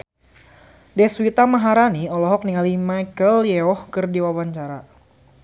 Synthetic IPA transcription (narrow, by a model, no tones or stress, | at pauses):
dɛswit̪amaɦaɾaniɔlɔɦɔk̚niŋalimajkəljɛɔhkɨrdiwawaɲt͡ʃaɾa